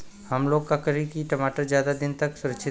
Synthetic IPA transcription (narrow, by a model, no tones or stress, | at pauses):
hɐmloːkkːakəɾikiʈɐmaːʈəɾzjaːd̪ad̪ɪnt̪ɐksʊɾəkʃʰɪ